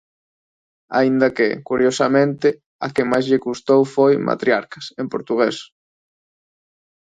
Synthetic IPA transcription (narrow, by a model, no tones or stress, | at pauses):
a̰ind̪ɐkɪ̰kuɾjosamẽnt̪ɪ | ɐ̰kɪmajzʎɪkust̪owfojmʔa̰t̪ɾjaɾkɐsempoɾt̪uɣ̞es